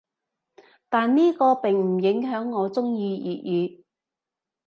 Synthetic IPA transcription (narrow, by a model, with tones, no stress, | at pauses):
t̪aː˨nniː˥kɔː˧pɪ˨˩ŋm̩˨˩jɪ˨˥ŋɦœː˨˥ŋːɔː˨˧t͡sʊ˥ŋjiː˧jiː˨t̚jyː˨˧